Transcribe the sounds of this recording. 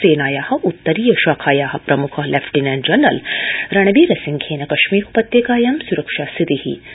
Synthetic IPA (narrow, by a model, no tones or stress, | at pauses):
seːnaːjaːhɐ̆ʔut̪ːɐɾiːjɐʃaːkʰaːjaːɦɐ̆pɾɐmukʰɐɦlʔeːfʈiːnɛːnd͡ʒɐnːɐ̰lɾɐɳɐbiːɾɐsiŋkʰeːnɐkɐʃmiːɾku̥pɐt̪jekaːjaːmsuɾɐkʃaːsit̪ihḭ